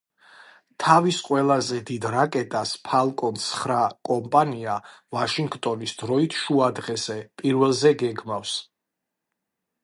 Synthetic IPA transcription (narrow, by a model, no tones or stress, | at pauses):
t̪ʰavisqʼwɛlˠazɛd̪id̪ɾakʼɛt̪ʼaspʰalˠkʼɔnsχɾakʼɔmpʼaniavaʃiŋɡt̪ʼɔnisd̪ɾɔit̪ʰʃuad̪ʁɛzɛpʼiɾvɛlˠzɛɡɛɡmafs